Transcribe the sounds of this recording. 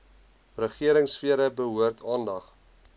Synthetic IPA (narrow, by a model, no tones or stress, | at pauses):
rəχiəɾəŋsfiəɾəbəɦuərtʰɑːndɐχ